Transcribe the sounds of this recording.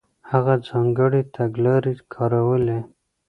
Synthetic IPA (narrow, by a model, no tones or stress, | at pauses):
haɣad͡zɑŋɡəɽit̪ʰaɡlɑɾikʰɑɾawəle